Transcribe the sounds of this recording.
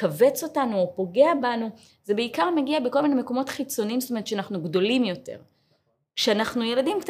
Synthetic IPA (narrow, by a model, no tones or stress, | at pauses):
kave̞t͡so̞tanuopo̞ɡe̞abanu | zebeikaʁmeɡiabeko̞lminemeko̞mo̞tχit͡so̞niiːmstome̞tʃeanaχnuɡdo̞limjo̞tḛʁ | kʃeanaχnuje̞ladimkt